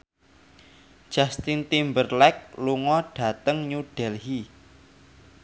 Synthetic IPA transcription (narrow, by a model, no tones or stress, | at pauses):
d̥ʒ̥ast̪int̪imbərlɛk̚luŋɔɖ̥a̤t̪əŋɲuɖ̥ɛlhi